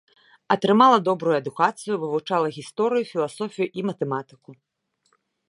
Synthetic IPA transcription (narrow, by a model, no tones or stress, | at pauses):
ɐt̪ɾɨmalˠɐd̪ɔbɾujuɐd̪ukat̪sɨjuvɨvut͡ʂalˠɐɣʲist̪ɔɾɨjufʲilˠasɔfʲijuʔimɐt̪ɛmat̪ɨ̥ku